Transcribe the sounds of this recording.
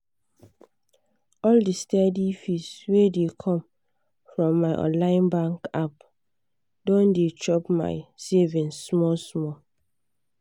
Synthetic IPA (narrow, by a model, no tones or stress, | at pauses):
ɔldistɛdifiswedekʰɔ̃m | fɹɔ̃mːaɪʔɔ̰̃nlãɪ̃nbãŋkap | dɔ̃ndet͡ʃɔpma̰ɪsevɛ̃nsmɔlsmɔ